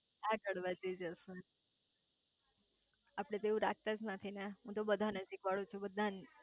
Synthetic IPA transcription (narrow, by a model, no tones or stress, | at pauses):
akəɽʋad͡ʒid͡ʒəʃũ | apɽ̃ẽt̪eũɾak̚ʰt̪ad͡ʒnət̪ʰineɦũt̪obəd̪ʱanəd͡ʒikʋaɭũt͡ʃʰubəd̪ʱːan